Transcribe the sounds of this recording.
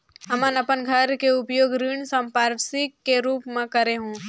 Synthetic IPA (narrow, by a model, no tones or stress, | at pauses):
ɦɐmənɐpənɡʱɐɾkeʊpjoːɡɾiːɳsə̃mpaːɾsikːeɾuːpmẽkɐɾeɦũː